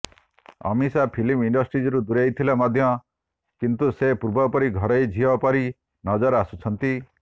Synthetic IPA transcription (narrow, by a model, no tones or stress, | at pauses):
ɔ̰misapʰilimiɳɖɔsʈɾid͡ʒɔɾud̪uɾejt̪ʰilamɔd̪ʱjɔ | kint̪usepuɾbʱɔpɔɾiɡʱɔɾɔjd͡ʒʱiɔpɔɾi | nɔd͡ʒɔɾasut͡ʃʰɔnt̪i